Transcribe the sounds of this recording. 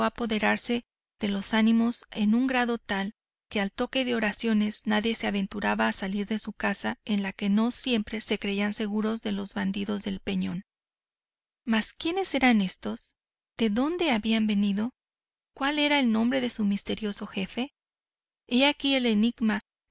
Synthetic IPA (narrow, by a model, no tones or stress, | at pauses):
apo̞ðe̞ɾaɾse̞ | ðe̞lo̞sanĩmo̞se̞nũŋɡɾaðo̞t̪al | ke̞alt̪o̞ke̞ðe̞o̞ɾasjo̞ne̞znaðje̞se̞aβe̞nt̪uɾaβaːsaliɾðe̞sukasae̞nlake̞no̞sje̞mpɾe̞se̞kɾe̞ianse̞ɣuɾo̞zðe̞lo̞zβand̪iðo̞zðe̞lpe̞ɲo̞n | maskje̞ne̞se̞ɾane̞st̪o̞s | ð̥e̞ðo̞nd̪e̞aβiambe̞niðo̞ | kwale̞ɾaelnõ̞mbɾe̞ðe̞sumist̪e̞ɾjo̞so̞xe̞fe̞ | eakie̞le̞niɡma